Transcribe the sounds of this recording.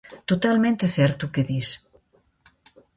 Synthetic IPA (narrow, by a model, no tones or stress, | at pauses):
t̪ot̪almẽnt̪eθɛɾt̪ukeðis